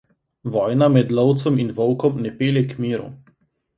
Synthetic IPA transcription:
ʋɔːjnamɛd̪lɔwt̪sɔminʋɔwkɔmnɛpeːljɛkmiːɾṵ

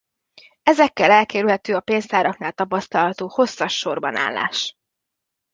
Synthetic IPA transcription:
ɛzɛkːɛlɛlkɛːɾylhɛt̪øːɒpeːnzt̪aːɾɒknaːlt̪ɒpɒst̪ɒlɦɒt̪oːho̞sːɒʃːo̞rbɒ̰na̰ːlːa̰ːʃ

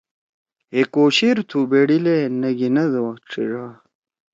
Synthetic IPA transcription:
ekoːɕeɾt̪ʰubeɽilenɐɡinɐd̪owɐʈ͡ʂʰḭʐa

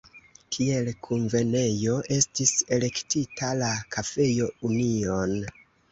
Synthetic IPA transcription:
kʰie̞lkʰuɱve̞ne̞jo̞ʔe̞stise̞le̞ktitʰalakʰafe̞jo̞unio̞n

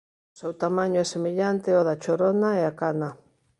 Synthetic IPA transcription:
sewt̪amaɲoɛsemeʎant̪eɔðat͡ʃoɾonaeakana

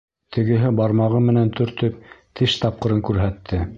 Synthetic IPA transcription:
t̪ʰɘ̆ɡɘ̆ɦɘbɑɾmɑʁɤmɘ̆nænt̪ʰɵ̆ɾt̪ɵp̚t̪ʰɘʃt̪ɑp̚qɤ̆ɾɤŋkʉɾɦæt̪ʰːɘ

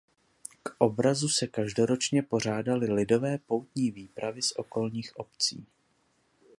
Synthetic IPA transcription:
kʔo̞bɾazusɛkaʒdo̞ɾo̞t͡ʃɲɛpo̞r̝aːdalɪlɪdo̞vɛːpo̞wt̪ɲiːviːpɾavɪsʔo̞̰ko̞lɲiːxʔo̞pt͡sḭː

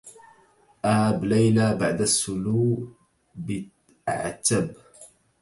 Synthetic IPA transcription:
ʔahablajlaːbaʕd̪asːʊluː | bɪ | ʔa̰ʕa̰t̪ːab

